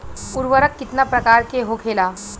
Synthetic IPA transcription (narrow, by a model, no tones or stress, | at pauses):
uɾʋəɾəkːit̪napɾəkaɾkeɦokʰela